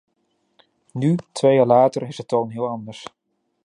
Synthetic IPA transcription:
nytʋejaːlaːtərɪsətownɦɪːlˠɑndəɹs

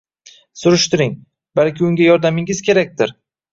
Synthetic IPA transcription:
sʊɾɪʃt̪ɪɾɪŋ | balkʲɪʊŋɡʲajɒɾd̪amɪŋɪzkʲʰe̞ɾak̚ʲt̪ɪɾ

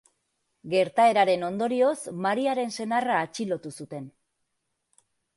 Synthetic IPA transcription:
ɡe̞ɾt̪ae̞ɾaɾe̞no̞nd̪o̞ɾio̞smaɾiaɾe̞nse̞naraːt͡ʃilo̞t̪usut̪e̞n

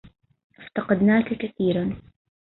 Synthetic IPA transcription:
ʔɪft̪ɑqɑd̪naːkakaθiːɾan

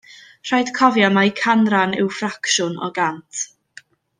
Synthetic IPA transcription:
r̥ajd̥kʰɔvjamajkʰanranɪwfrakʃʊnɔ̰ɡantʰ

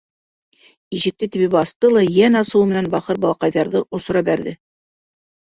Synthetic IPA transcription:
iʑɘ̆k̚t̪ɘt̪ɘ̆bɘbbɑst̪ɤlˠɑjænɑsɤwmɘ̆nænbɑχɤɾbɑlˠɑqɑjðɑɾðɤʔŏsŏɾɑbæɾðɘ

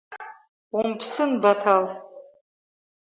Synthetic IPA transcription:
umpʰsɨnbatʰal

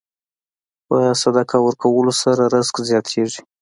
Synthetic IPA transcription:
ɑjɑsad̪akʰawəɾkawəlosaɾaɾaɪzkzjɑt̪ʰeʐi̥

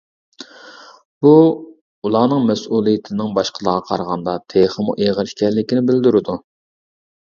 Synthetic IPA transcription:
b̥u | ulˠɑːnɨŋmɛsulˠijɪt̪ʰɪnɪŋbɑʃqʰəlˠəʁɑqʰɑ̰ɾʁɑnd̪ɑt̪ʰeχəmuʔeʁəɾɪʃkʲɛlːɪkʲinɪbɪld̪yɾɪd̪u

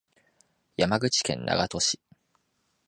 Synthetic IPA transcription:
jamaɡɯ̟t͡ɕi̥kẽ̞̰nːa̰ɡat̪o̞ɕi̥

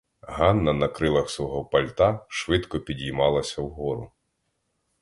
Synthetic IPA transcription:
ɦɑnːɐnɐkɾɪlˠɐxsʋɔɦɔpɐlʲt̪ɑʃʋɪd̪kɔpʲidʲijmɑlˠɐsʲɐwɦɔɾʊ̰

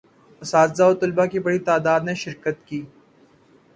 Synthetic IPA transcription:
ɐsaːt̪zaot̪ʊlbakibɐɽit̪aːd̪aːd̪nẽʃɪɾkət̪kiː

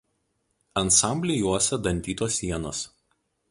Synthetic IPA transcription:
ɐnˑsɑˑmʲbʲlʲɪjuɔsʲɛd̪ɐnʲt̪ʲiːt̪oːsʲiɛnoːs

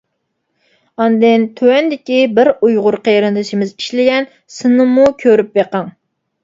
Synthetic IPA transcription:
ɑnd̪ɪnt̪ʰøwɛnd̪ɪkʲibɪɾujʁʊɾqʰəjɾɨnd̪ɨʃimɪziʃlɪɡʲɛn | sɨnɨmukʲʰøɾyp̚beqɑŋ

